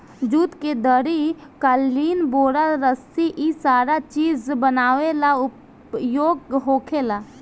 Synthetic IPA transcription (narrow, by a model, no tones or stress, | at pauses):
d͡ʒuːt̪ked̪əɾikalːiːnboːɾalɾəsiʔisaːɾat͡ʃiːzbənaːʋelaʊp | joːɡɦoːkʰelaː